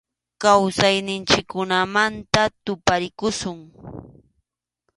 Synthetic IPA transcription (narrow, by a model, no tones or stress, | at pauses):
kawsajnɪnt͡ʃɪkːʊnamant̪at̪ʊpaɾɪkʊʃʊŋ